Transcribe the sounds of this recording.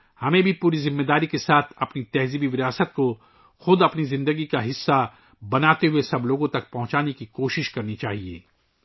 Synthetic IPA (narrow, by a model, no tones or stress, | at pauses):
hɐmẽbʱipuːɾizɪmːeːd̪aːɾikesaːt̪ʰɐpnit̪ɛɦzibiʋɪɾaːsət̪̚ko | xʊd̪ɐpnizɪ̃nd̪əɡikaɦɪsːa | bɐnaːt̪eɦʊesɐbloːɡõt̪ɐk̚pɐɦʊ̃t͡ʃaːnekikoːʃɪʃkɐɾnit͡ʃaːɦiḛː